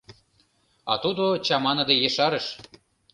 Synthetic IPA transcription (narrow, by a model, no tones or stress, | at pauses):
ɑ̰t̪ud̪ot͡ɕɑmɑnɤ̆d̪ejeʃɑɾəʃ